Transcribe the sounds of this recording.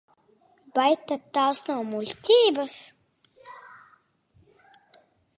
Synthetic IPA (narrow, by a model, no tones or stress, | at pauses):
b̥ajt̪ːad̪̚t̪ːaːsnawmulʲtʲiːbas